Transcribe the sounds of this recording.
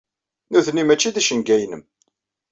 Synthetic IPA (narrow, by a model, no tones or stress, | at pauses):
nuðnimæt͡ʃːiðæʃənɡæjnəm